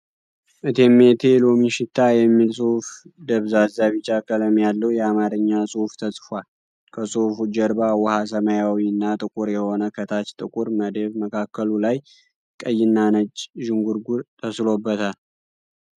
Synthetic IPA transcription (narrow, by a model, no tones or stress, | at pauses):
ʔɨt̪ʰe̞met̪ʰe̞lomiʃɪt̪ʰːajɛmːilsʼuhfd̪əβzazaβɨt͡ʃʼːakʰələmjalːəwjɛamaɾɨɲːasʼohft̪ʰəsʼfal | kʰəsʼofud͡ʒəɾbawɔhas̬əməjawiɨnːat̪ʼɨkʼuɾjɛho̞nəkʰət̪ʰat͡ʃt̪ʼɨkʼuɾməd̪eβməkʰakːəlulaj | kʼəjːɪnːanət͡ʃʼːʒɪŋɡuɾɡuɾt̪ʰəslo̞bːət̪ʰal